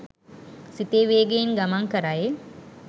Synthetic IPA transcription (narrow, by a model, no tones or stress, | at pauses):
sit̪eːʋeːɡeinɡamaŋkəɾaje